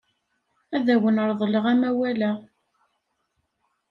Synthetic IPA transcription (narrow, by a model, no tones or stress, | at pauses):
æðæwənəɾðˤələʁæmæwælæ